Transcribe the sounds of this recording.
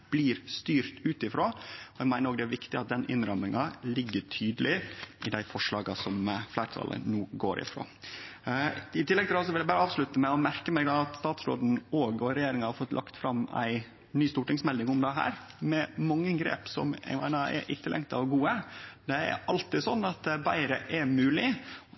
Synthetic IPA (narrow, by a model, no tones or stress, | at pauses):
b̥liːɾst̪yːɾt̪ʉːt̪ɪfɾoːɔɛɡmæɪnəɾoːɡd̪ɛæɾʋɪkt̪ɪɑt̪̚d̪ɛnɪnɾɑmɪŋɑlɪɡːəʈʰyːd̪əlɪʔɪd̪æɪfɔʂɭɑːɡɑsɔmflæɪɾʈʰɑ̰ːlə̰nuːɡoːɾʔɪ̰fɾo̰ː | ɪt̪ʰɪlːɛɡ̚t̪ɪlɑsɔʋɪlæɪbɑːɾəɑːʋslʉt̪əmæɪɔmæɾkəmɛɡd̪ɑːɑt̪st̪ɑːt̪sɾo̰ːd̪n̩oːɡɔɾɛjeːɾɪŋɑhɑɾfɔt̪lʔɑ̰kt̪fɾɑmæ̰ɪ | nyːst̪uːʈɪŋsmɛld̪ɪŋʊmd̪ɛɦæ̰ːɾmɛmɑŋːəɡɾḛːpsɔ̰mɛ̰ɡmæ̰ɪnəɛ̰ʔɪt̪ʰːɪlːɛ̰ŋt̪ɑ̰ɔɡuːəd̪ɛæ̰ɾɑlt̪ɪsɔnːɑt̪̚d̪bæɪɾəʔɛmʉːlɪ